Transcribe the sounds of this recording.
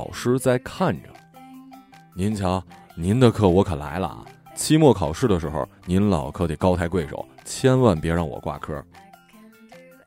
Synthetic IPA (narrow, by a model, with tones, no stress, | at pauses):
ʊʂɻ̩˥t͡sa˥˧ɪkʰa˥˩nʈ͡ʂə̰˩ | ni˧˥nt͡ɕʰjɑ˧˥ŋni˧˥nd̪ə˧kʰɤ˥˩wɔ˧˥kʰə˨˩nla̰˧˥ɪlə̰˨˩t͡ɕʰi˥mwɔ˥˩kʰɑ˨˩ʊʂɻ̩˥˩d̪ə˨˩ʂ̬ɻ̩˧˥xo̰˧˩ni˧˥nlɑ˨˩ʊkʰɤ˥˩t̪e˨˩ɪkɑ˥ʊt̪ʰa˧˥kwe˥˩ɪʂo̰˨˩˦ʊt͡ɕʰjɛ˥nwa˥˩npjɛ˧˥ɻɑ˥˩ŋwɔ̰˨˩kwa̰˥˩kʰɤ˥